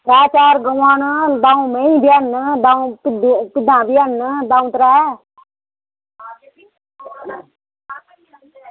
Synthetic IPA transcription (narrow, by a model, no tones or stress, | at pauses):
ɾaːt͡ʃaːɾɡəwand̪aũmẽĩbijand̪aũpɪd̪pɪd̪ãːbɪjanːd̪aːũt̪ɾaː